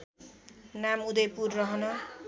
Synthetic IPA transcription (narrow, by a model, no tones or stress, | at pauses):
namud̪ʌjpurːʌɦʌnʌ